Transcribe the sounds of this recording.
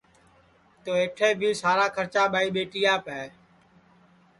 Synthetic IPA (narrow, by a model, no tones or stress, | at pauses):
t̪oːeːʈʰeːbʱiːsaːɾaːkʰəɾt͡ʃaːɓaːiːɓeːʈijaːpɛː